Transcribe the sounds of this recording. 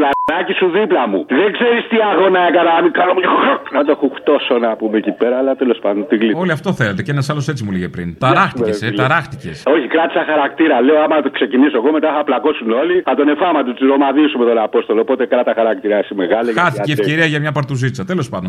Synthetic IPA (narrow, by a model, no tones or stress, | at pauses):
lanɐcisuðiplɐmuðeŋɡzeɾist̪iɐɣonɐekɐnɐmikɐnomcaxoknɐt̪oexuxt̪o̞sonapumecipeɾɐːlɐt̪elo̞spɐnd̪ont̪iɣlioliɐft̪o̞θe̞let̪e̞cenɐsɐlo̞se̞t͡simuliʝepɾḭnt̪ɐɾɐxt̪iseɾɐxt̪iceso̞çikɾɐt̪i̥sɐxɐɾak̚t̪iɾɐleoɐmɐɐt̪okse̞cinisoeɣomet̪ɐθɐplɐko̞suno̞liθɐt̪o̞ne̞fɐmɐt̪ust̪iɾo̞maðisumet̪onapo̞st̪o̞lopo̞t̪ekɾɐt̪ɐxɐɾak̚t̪iɾɐesimeɣɐlɐkɐt̪icieceɾiɐʝɐmɲɐpɐɾt̪uzit͡sɐt̪elo̞spɐnd̪n